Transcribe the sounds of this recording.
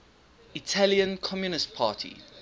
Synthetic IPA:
itʰaliə̃nkʰɔmjunɪst̚pʰaːˑtʰḭ

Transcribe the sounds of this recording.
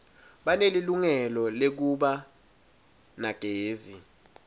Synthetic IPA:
ɓaneliluŋɛlɔlek̬uɓa | naɡ̥ʱeːzi

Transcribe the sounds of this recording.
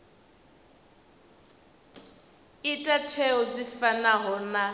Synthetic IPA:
itʼatʰɛɔd͡zifanaɦɔna

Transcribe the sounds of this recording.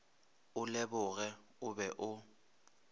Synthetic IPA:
ʊlɛbʊɣɛ | ʊbɛʔʊ

